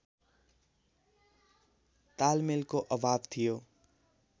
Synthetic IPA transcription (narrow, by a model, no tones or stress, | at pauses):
t̪almelkoʔʌbʱabt̪ʰijo